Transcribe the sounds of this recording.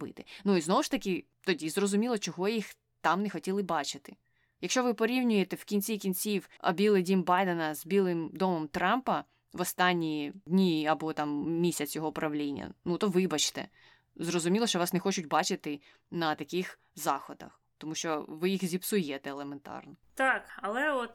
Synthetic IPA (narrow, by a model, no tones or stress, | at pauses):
bɪ̰t̪ɪnuiznɔʋʊʃt̪ɐkɪ | t̪ɔdʲizrɔzʊmʲilˠɔt͡ʃɔɦɔjix | t̪ɑmnexɔtʲilˠɪbɑt͡ʃɪt̪ɪ | jɐkʃt͡ʃɔʋɪpɔɾʲiwnʲʊjet̪ɛw̥kʲinʲt͡sʲikʲinʲt͡sʲiwɐ̰bʲilˠɪdʲimʲbɑjd̪enɐzbʲilˠɪmd̪ɔmɔmt̪ɾɑmpɐ | ʋɔst̪ɑnʲːijdʲnʲiɐbɔt̪ɑmmʲisʲɐt͡sʲjɔɦɔpɾʔɐʋlʲinʲːɐ̰nut̪ɔʋɪbɐt͡ʃt̪ɛ̰ | zrɔzʊmʲilˠɔʃt͡ʃɔʋɑsnexɔt͡ʃʊtʲbɑt͡ʃɪt̪ɪ | nɐt̪ɐkʲɪx | zɑxɔd̪ɐ̰x | t̪ɔmuʃt͡ʃɔʋɪjixzʲipsʊjɛt̪ɛelˠement̪ɑ̰rnɔt̪ɑkɐlˠɛɔt̪